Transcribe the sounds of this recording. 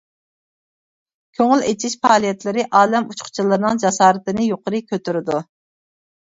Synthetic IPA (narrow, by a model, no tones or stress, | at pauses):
kʲʰøŋylet͡ʃʰiʃpʰɑːlˠijɛt̪lɪɾɪʔɑːlɛmut͡ʃqʰʊ̥t͡ʃʰilˠɨɾɨnɨŋd͡ʒɑsɑːɾɨt̪ɨnɪjoqəɾɨkʲʰøt̪yɾɪd̪u